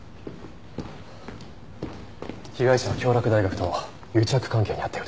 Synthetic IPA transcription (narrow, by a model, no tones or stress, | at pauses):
çʲiɡaiɕanokʲo̞ːɾʲakɯ̟d̪aiɡakɯ̟̥t̪o̞ | jɯ̟ːt͡ɕiakɯ̟̥kãŋke̞ːɲiat̪ːeiɾ